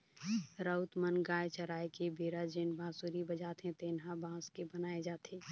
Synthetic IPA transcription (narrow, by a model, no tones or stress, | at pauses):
ɾəʊt̪mənɡaːet͡ʃəɾaːekebʱeːɾad͡ʒeːnbʱaːsuɾibəd͡ʒaːt̪ɦẽt̪eːnɦabʱãːskebənaːed͡ʒaːt̪ʰeː